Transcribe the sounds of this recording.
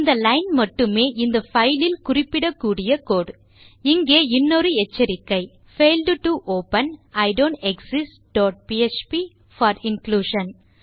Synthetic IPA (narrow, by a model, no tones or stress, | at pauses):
ɪnd̪ɐlɐɪnmɐʈːɯmeːʔɪnd̪ɐfɐɪlɪlkʊrɪpːɪɽɐkːuːɽɪjɐkoːɽ | ɪŋɡeːɪnːoɾɯɛt͡ʃːɐɾɪkːɐɪ | feɪlɖʈːuʔoːpɐnɐɪɖoːɳʈɛksɪsʈɖɔːʈ̚piet͡ʃpi | fɐːɾɪŋkluːʃɐn